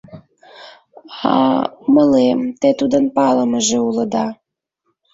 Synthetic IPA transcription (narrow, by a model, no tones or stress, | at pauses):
ɑ̰məlemt̪et̪ud̪ənpɑləməʒeulə̆d̪ɑ